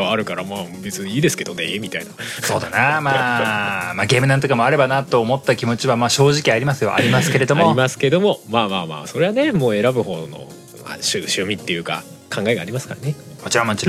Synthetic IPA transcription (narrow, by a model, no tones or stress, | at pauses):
aːɾɯ̟kaɾamaːbet͡sɨɲiːd̪e̞sɨ̥ke̞d̪o̞nemʲit̪ainaso̞ːd̪a̰namaːmaːɡe̞ːmɯnãnt̪okamo̞aɾe̞banat̪o̞ːmo̞t̪ːakʲimo̞t͡ɕiβamaːɕo̞ːʑikʲiaɾʲimasɨjo̞̰ʔa̰ɾʲimasɨ̥ke̞ɾe̞d̪o̞mo̞imasɨ̥ke̞d̪o̞mo̞maːmaːma̰ːso̞ɾe̞βane̞moːe̞ɾabɯ̟ho̞̰ːno̰ | a̰ɕɨɕɨːmʲit̪ːe̞jɯ̟ːka̰ | kʰãŋɡae̞ɡaːɾʲimasɨ̥kaɾanekot͡ɕiɾamot͡ɕiɾ